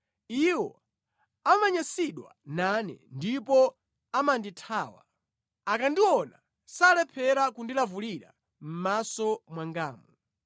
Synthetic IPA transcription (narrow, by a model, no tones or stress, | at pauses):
iwɔ | amaɲasiɗwa̰nanɛ̰ndipɔ | amanditʰaːwa̰ | akandiwɔna | salɛpʰɛɾakundilavuliɾa̰ | m̩masɔmwaŋɡaːmu